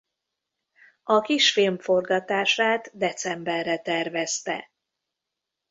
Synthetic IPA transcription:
ɒkiʃfilmfo̞rɡɒt̪aːʃaːt̪d̪ɛt̪sɛmbɛrːɛt̪ɛrvɛst̪ɛ̰

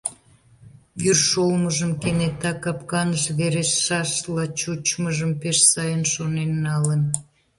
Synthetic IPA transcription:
jyrʃolməʒəmkenet̪ɑkɑpkɑnəʃβeɾesːɑʃlɑt͡ɕut͡ɕməʒəmpeʃsɑjənʃonenːɑlən

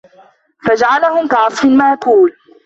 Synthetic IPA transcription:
fad͡ʒaʕalahʊmkaʕɑsˤfɪnmaʔq̪uːl

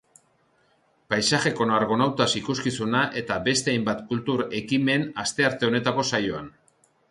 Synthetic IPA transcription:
pajsaxe̞ko̞naɾɣo̞nawt̪asikuskisunaʔe̞t̪abe̞st̪e̞ajmbat̪kult̪uɾe̞kime̞nast̪e̞aɾt̪e̞one̞t̪ako̞sajo̞an

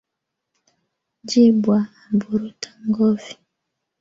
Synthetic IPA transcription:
d͡ʒibwaːbuɾutḁŋɡɔvi̥

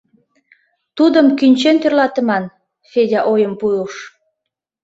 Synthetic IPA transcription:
t̪ud̪əmkynʲt͡ɕent̪ørlɑt̪əmɑn | fedʲɑʔojəmpujoʃ

